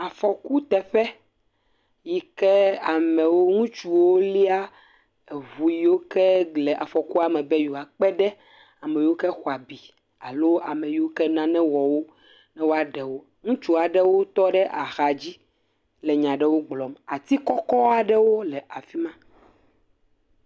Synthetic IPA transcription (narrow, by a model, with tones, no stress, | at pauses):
a˨fɔ˨ku˦t̪ɛ˨ɸɛ˦ | ji˨kɛ˦a˨mɛ̃˨wo˦ŋũ˦t͡ʃu˨wo˦li˦a˦ | e˨βu˨ji˦wo˦kɛ˦ɡ͡blɛ˨ʔa̰˨fɔ˨ku˦a˨mɛ˨bɛ˦ju˨a˨k͡pɛ˦ɖɛ˦ | a˨mɛ̃˨ji˦wo˦kɛ˦xɔ˨a˨bi˨ | a˨lo˦a˨mɛ̃˨ji˨˦o˦kɛ˦nã˦nɛ̃˦wɔ˨wo˦ | nɛ̃˦wo˦a˦ɖɛ˨wo˦ | ŋũ˦t͡ʃu˦a˨ɖɛ˦wo˦t̪ɔ˦ɖɛ˦ʔa˨xa˨d͡ʑi˦ | lɛ˨ɲã˨ɖɛ˦wo˦ɡ͡blɔ˨ma˨t̪i˦kɔ˦kɔ˦a˨ɖɛ˦wo˦lɛ˨ʔa˨fi˦mã˦